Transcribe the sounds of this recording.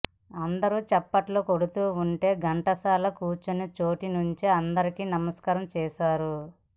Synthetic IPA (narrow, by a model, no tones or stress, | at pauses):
ɐnd̪ɐɾut͡ʃɛpːɐʈloːkoɽut̪uːuɳʈe̞ːɡɐɳʈɐsaːlɐkuːt͡ʃunit͡ʃo̞ːʈinuɲt͡ʃiɐnd̪ɐɾikinɐmɐskaːɾɐmt͡ʃɛːʃaːɾu